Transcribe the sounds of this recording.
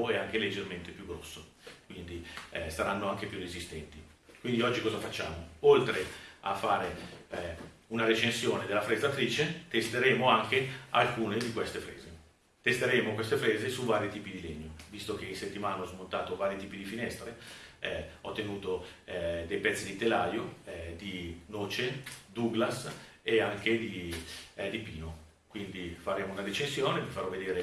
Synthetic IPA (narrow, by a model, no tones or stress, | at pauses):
oɛaŋk̟eled͡ʒːerment̪epjuɡːɾɔsːo | kwind̪isaɾanːoaŋk̟epjurːezist̪ɛnt̪i | kwind̪iɔd͡ʒːikɔːzafat͡ʃːaːmoolt̪ɾeafːaːɾe | unaɾet͡ʃensjoːned̪elːafɾezat̪ɾiːt͡ʃet̪est̪eɾeːmoaŋkea̰lkuːned̪ikwest̪efɾḛːze | t̪est̪eɾeːmokwest̪efɾeːzesuvaːɾjit̪iːpid̪ileɲːovist̪ok̟einset̪ːimaːnaɔzmont̪aːt̪ovaːɾjit̪iːpid̪ifinɛst̪ɾeɛɔt̪ːenuːt̪od̪ejpɛt̪sːid̪it̪elaːjod̪inoːt͡ʃed̪uɡlas | eaŋked̪i | d̪ipiːno | kwind̪ifaɾeːmounadet͡ʃensjoːnevifaɾɔvːed̪eːɾe